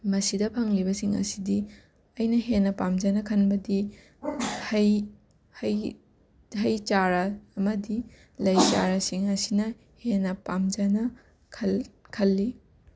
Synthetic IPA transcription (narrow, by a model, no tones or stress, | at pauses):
mɐsidɐpʰɐŋlibɐsiŋɐ̰sidi | ɐjnɐɦenːɐpamd͡ʒɐnɐkʰɐnbɐdi | hɐj | hɐj | ɦɐjt͡ʃaɾɐːmɐdi | lɐjt͡ʃaɾɐsiŋɐsinɐ | henːɐpamd͡ʒɐnɐ | kʰɐkʰɐlːi